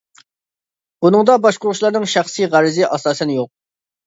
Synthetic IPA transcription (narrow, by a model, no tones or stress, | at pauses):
bunɨŋd̪ɑbɑʃqʊɾʊʃlˠɑɾnɨŋʃæχsiʁæɾɪzɪʔɑsɑːsɨnɪjoq̚